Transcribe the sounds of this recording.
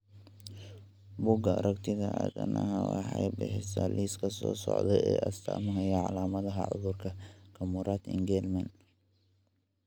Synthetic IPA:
bʊɡɐɾʔɐkt̪ʰɪðɐʕa̰d̪ɐnʔɐhɐwaħajbɪħɪsɐliskʰɐsɔːsɔ̰ʕd̪ɛɛːʔɐst̪ʰamɐɦɐjɐʕalaːmɐðɐɦɐ̰ʕʊðʊrkʰɐkʰɐmʊɾat̪ɪŋɡɛlmɐn

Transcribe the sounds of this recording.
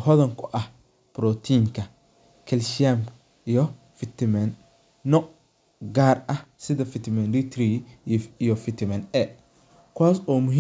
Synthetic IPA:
ɦɔðɐŋkʰʊʔɐh | b̥ɾɔt̪ʰiːŋkʰɐ | kʰɛlʃɪam | jɔ | fɪt̪ɪmɛnː | ɔʔ | ɡaːrɐhsɪðɐfɪt̪ʰɪmɛnɾit̪ɾijɔfɪt̪ʰmɛnɛ | kʰwaːsɔːmʊɦ

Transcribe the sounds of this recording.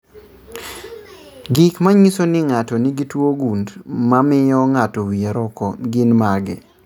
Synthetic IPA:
ɡikmaɲisonɪŋatɔnɪɡitwoɡundmamɪjɔŋatɔwieɾɔkɔɡɪnmaɡɛ̰

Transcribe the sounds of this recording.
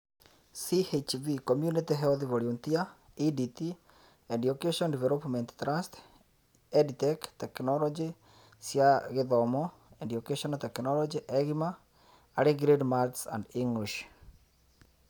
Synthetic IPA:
sihet͡ʃvikomjunitiɦɛɔðiβoɾiuntia | iditi | endiokeʃɔndivɛɾopmɛnttɾast | editɛktɛknɔlɔd͡ʒi | sjaɣeðɔmɔ | endiokeʃɔntɛknɔlɔd͡ʒiʔɛɣimaː | ɾeɡɾedmaɾtsa̰ndiŋɡliʃ

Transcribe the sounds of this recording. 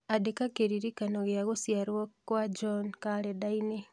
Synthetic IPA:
adekakeɾiɾikanoɣjaɣosjaɾwokwad͡ʒonkaɾedaini

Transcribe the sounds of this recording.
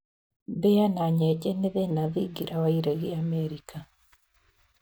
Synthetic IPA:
bejanaɲɛɟeneðenaðiɡiɾʔawaiɾeɣiameɾikʰa

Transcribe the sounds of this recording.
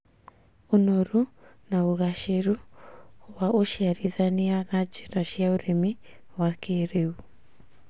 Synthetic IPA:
onoɾunaoɣaʃeɾu | waʔoʃjaɾiðaneaɣad͡ʒeɾaʃjaoɾemi | wakeɾeu

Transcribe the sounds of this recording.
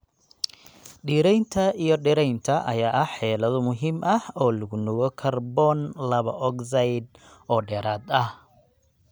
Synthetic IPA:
ɖiːɾɛjnt̪ʰɐʔijɞɖɪɾɛjnt̪ʰɐʔɐ̰jaːʔɐħɛːlɐðʊmʊɦiːmʔɐhɔːlɐɣʊnɔɣɔkʰɐrbɔːnlɐβɐʔɔkzɐjd̪ | ɔːɖɛːɾaːd̪ɐh

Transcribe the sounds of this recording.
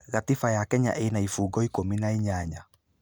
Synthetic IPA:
ɣatifajakɛɲa̰ʔenaifuːɡɔikominaiɲaɲa

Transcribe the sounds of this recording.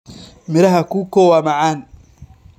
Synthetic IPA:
mɪɾɐɦɐkuːkɔːwaːmɑʕaːn

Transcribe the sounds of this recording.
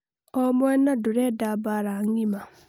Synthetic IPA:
ɔmwɛnaduɾɛdabaɾaŋɡima

